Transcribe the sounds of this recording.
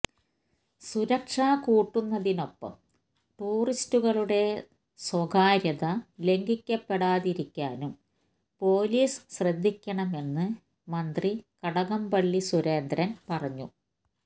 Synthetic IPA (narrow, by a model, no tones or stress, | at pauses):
suɾɐkʂaːkuːʈːunːɐðino̞pːɐ̰m | ʈuːristuɣɐɭuɽe̞ | swɐɡaːɾjɐðɐle̞ŋɡikʲːɐpːeɽaːðiɾikʲːaːnum | po̞ːliːsɕrɐd̪ʱːikʲːɐɳɐme̞nːɨ | mɐnd̪rikɐɽɐɣɐmbɐɭːisuɾeːnd̪ɾɐnpɐrɐɲːu